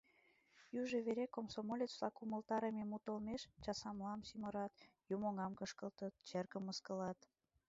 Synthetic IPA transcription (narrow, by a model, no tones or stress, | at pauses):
juʒeβeɾekomsomolʲet͡slɑkuməlt̪ɑɾememut̪əlmeʃt͡ɕɑsɑmlɑmsyməɾɑt̪jumoŋɑmkəʃkəlt̪ət̪̚t͡ɕerkəmːəskə̆lɑt̪